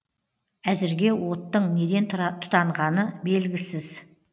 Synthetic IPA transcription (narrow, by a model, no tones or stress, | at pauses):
æzɪɾɡʲe̞wo̞t̪ːəɴne̞d̪e̞nt̪ʰʊ̥t̪ʰɑɴʁɑnəbe̞lɡʲɪsɪz̥